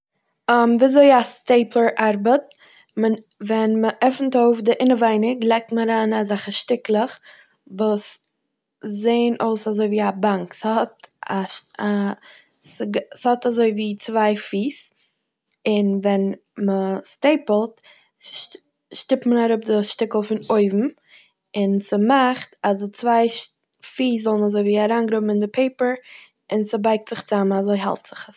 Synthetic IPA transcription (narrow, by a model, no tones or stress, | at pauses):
əmviːazoɪasteɪplˠəɾʔaɾbət̚ | mə | vɛnməʔɛfn̩toʊfdɪʔɪnəvaɪnɪklˠɛk̚tməɾaːnazaχəʃtɪklˠəχ | vuːs | zeɪənʔoʊsazoɪviːabaŋkshɔtaʃa | sɡshɔtazoɪviːt͡svaɪfiːs | ɪnvɛn | məsteɪpl̩ˠt | ʃtɪpmənaɾʊp̚dɪʃtɪkl̩ˠfɪnoɪvm̩ | ɪnsəmaχtazɪt͡svaɪ | fiːszɔlˠnazoɪviːaɾaːnɡɾʊbm̩ɪndɪpʰeɪpəɹ | ɪnsəbaɪk̚tz̥ɪχt͡samnazoɪɦɛ̰lˠtz̥ɪχs